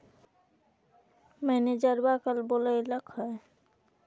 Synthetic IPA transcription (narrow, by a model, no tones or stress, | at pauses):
mɛned͡ʑaɾbakalboleelakɔe